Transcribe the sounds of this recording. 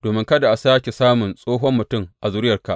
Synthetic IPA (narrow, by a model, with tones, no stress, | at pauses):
d̥oː˨mɪ˦ŋkɐ˦da˨ʔa˨saː˦kʲe˨saː˦mʊ˨nsʼoː˦ɦɔ˦mːʊ˨tʊ˦˨ŋʔa˨zʊ˦ɾɪ˦jɐ˨rka̰˨ʔ